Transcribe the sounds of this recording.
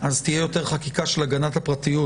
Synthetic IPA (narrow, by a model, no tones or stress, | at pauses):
ʔazt̪ijejo̞te̞ʁχakikaʃelaɡanat̪hapʁat̪ijut